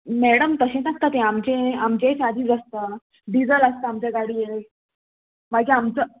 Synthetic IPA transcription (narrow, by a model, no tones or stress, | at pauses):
mɛɽəmt̪əɕẽnək̚t̪at̪ẽamt͡ɕẽamt͡ɕet͡ɕad̪ʱiːt͡səst̪ə | ɖid͡zələst̪əamt͡ɕeɡaɽiːe | m̤aɡd͡ʑeamt͡sə